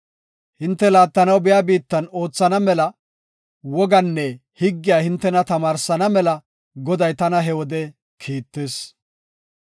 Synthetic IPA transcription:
hɪnt̪ːɛlaːt̪ːɐnɐwbɪjaːbiːt̪ːɐno̞ːt͡sːɐnɐmɛlɐ | wɔɡɐnːɛ | hɪɡːɪjaːhɪnt̪ːɛnɐt̪ɐmaːɾsɐnɐmɛlɐ | ɡɔd̪ɐjt̪ɐnɐɦɛwɔd̪ɛ | kʰiːt̪ːeːs

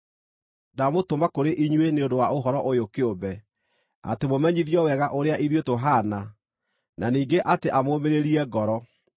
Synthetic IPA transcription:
damotomakoɾeʔiɲweneondowaoɦɔɾɔʔojokeobɛ | a̰temomɛɲiðjɔwɛɣaʔoɾeaʔiðjotoɦana | naniːŋɡeʔateʔamoːmeɾeɾiɛɡɔɾɔ

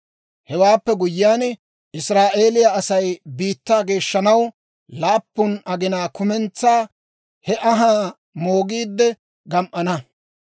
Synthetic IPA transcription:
hɛwaːpːɛɡʊjɪjaːn | ʔɪsɾaːʔe̞ːlɪjɐɐsɐjbiːt̪ːaːɡe̞ːʃːɐnɐw | laːpːʊnʔɐɡɪnaːkʊmɛnt͡sːaː | hɛʔɐɦaː | moːɡiːd̪ːɛ | ɡɐmʔɐnɐ

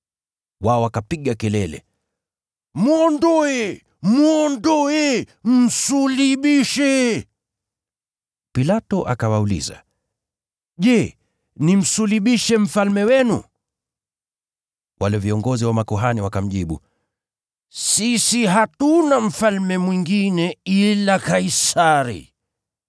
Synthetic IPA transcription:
waɔwakapiɠakɛlɛlɛ̰ | muɔndɔɛ | muɔndɔɛ | m̩suliɓiʃɛ | pilatɔʔa̰kawaulḭza̰ | ʄɛ | nim̩suliɓiʃɛm̩falmɛwɛnṵ | wʔalɛviɔŋɡɔziwamakɔɦaniwakam̩ʄiɓṵ | sisiɦatunam̩falmɛmwiŋɡinɛilakaisaɾḭ

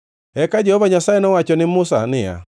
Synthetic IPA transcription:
ɛkad͡ʒɛhɔvaɲasaɛnɔwat͡ʃɔnɪmʊsa̰nɪja̰

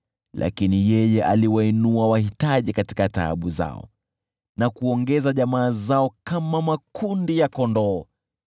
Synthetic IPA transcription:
lʔa̰kinijɛjɛʔa̰liwainuawahitaʄikati̥kata̰ːɓuza̰ɔ̰ | nakuɔŋɡɛzaʄamaːzaɔkamamakundijakɔndɔː

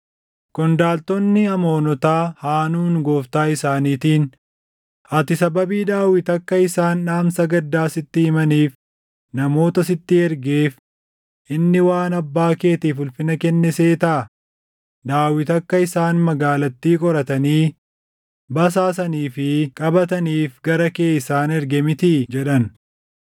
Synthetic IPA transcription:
kɔnd̪aːlt̪ɔnːɪɐmo̞ːnɔt̪aːhaːnuːnɡɔːft̪aːɪsaːniːt̪iːn | ʔɐt̪ɪsɐbɐbiːd̪aːwɪt̪ɐkːɐɪsaːnᶑaːmsɐɡɐd̪ːaːsɪt̪ːɪhɪmɐniːf | nɐmo̞ːt̪ɐsɪt̪ːɪɛɾɡeːf | ʔɪnːɪwaːnɐbːaːke̞ːt̪iːfʊlfɪnɐkɛnːɛseːt̪ɐʔɐ | d̪aːwɪt̪ɐkːɐɪsaːnmɐɡaːlɐt̪ːiːkʼɔɾɐt̪ɐniː | bɐs̬aːs̬ɐniːfɪkʼɐbɐt̪ɐniːfɡɐɾɐke̞ːɪsaːnɛɾɡɛmɪt̪id͡ʒɛᶑɐn

